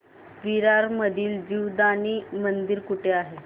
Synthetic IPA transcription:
ʋiɾaɾməd̪ʱiːld͡ʑiwd̪añimənd̪iɾkuʈʰeaɦe

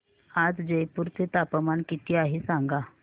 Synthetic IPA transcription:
ad͡zd͡ʑəjpuɾt͡set̪apəmankit̪ʰiaɦisãŋɡa

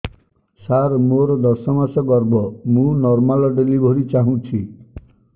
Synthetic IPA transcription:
saɾmoɾɔd̪ɔsɔmasɔɡɔɾbʱɔmũnɔɾmalɔɖelibʱɔɾit͡ʃaɦũt͡ʃʰi

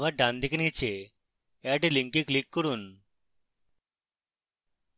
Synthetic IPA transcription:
ʋaɖand̪ikinit͡ʃe | eʈiliŋkiklikːuɽun

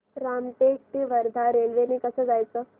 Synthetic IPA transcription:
ɾamʈek̚ʈ̪iʋəɾd̪ʱaɾelʋeniːkəsəːd͡zajt͡səː

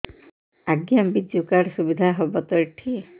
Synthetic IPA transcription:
aɡjambid͡ʒukaɽsubid̪ʱaɦɔbɔt̪ɔjʈʰi

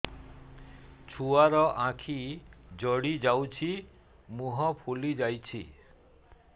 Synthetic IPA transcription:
t͡ʃʰuaɾɔʔãkʰid͡ʒɔɽid͡ʒawt͡ʃʰi | mũɦɔpʰulid͡ʒajt͡ʃʰḭ

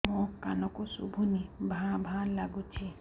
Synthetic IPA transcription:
mõkanɔkosṵbʱunibʱãbʱãlaɡut͡ʃʰi

